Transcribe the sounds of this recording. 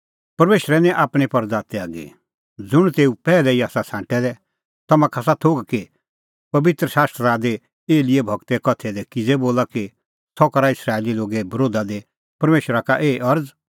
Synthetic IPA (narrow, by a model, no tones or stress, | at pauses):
pɐɾmeːʃɾɛnɛ̃ʔaːpɽ̃ipɐɾd͡zaːt̪eaːɡḛ | d͡zʊɽ̃t̪eːupɛːlɛiaːsasãːʈɛd̪ɛ | t̪ɐmãkʰas̬at̪ʰoːɡke | pɐbɪt̪ɾəʃaːst̪ɾəɾad̪e | eːlɪebʱɐɡt̪ɛkɐt̪ʰɛd̪ɛkɪd͡zɛboːlaki | t̪ʰɔkɐɾaɪsɾaːeliloːɡebɐɾoːd̪ad̪e | pɐɾmeːʃɾakaʔeːʔɐɾd͡z